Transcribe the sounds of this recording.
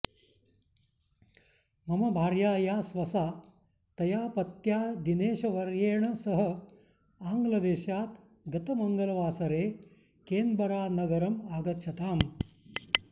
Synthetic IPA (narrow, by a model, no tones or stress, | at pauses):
mɐmɐbʱaːɾjaːjaːsʋɐsaː | t̪ɐjaːpɐt̪jaːd̪ineːʃɐʋɐɾjeːɳɐsɐɦɐ̆ | aːŋɡlɐd̪eːʃaːt̪ | ɡɐt̪ɐmɐŋɡɐlɐʋaːsɐɾeː | keːnbɐɾaːnɐɡɐɾɐmaːɡɐtʃʰɐt̪aːm